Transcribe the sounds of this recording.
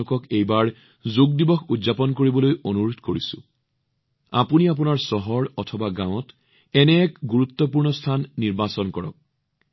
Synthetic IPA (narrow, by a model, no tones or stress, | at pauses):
kɔkejbaɹ | zoɡ̚dibɔxudzapɔnkoɹibɔlojonuɹudʱkoɹisʊ̰̃ | a̰puniap̬unaɹsɔɦɔɹɔtʰɔbaɡãw̃ɔt | ɛnɛɛkɡuɹut̪ːɔpuɹnɔstʰanːiɹbasɔnkɔɹɔ̰k̚